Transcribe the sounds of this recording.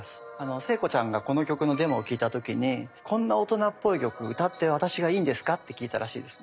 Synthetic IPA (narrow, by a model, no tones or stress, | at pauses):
sɨ̥ | ano̞se̞ːko̞t͡ɕãŋɡako̞nokʲo̞kɯ̟no̞d̪e̞mokʲiːt̪at̪o̞kʲiɲ̟ikʰõ̞nːao̞t̪o̞napːo̞ikʲo̞kɯ̟ɯ̟t̪at̪ːe̞β̞at̪aɕiɡaiːnd̪e̞sɨ̥kat̪ːe̞kʲiːt̪aɾaɕḭːd̪e̞sɨ̥ne